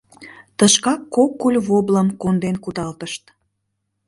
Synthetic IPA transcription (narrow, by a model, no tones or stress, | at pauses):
t̪əʃkɑkːokːulʲβobləmkond̪enkud̪ɑlt̪əʃt̪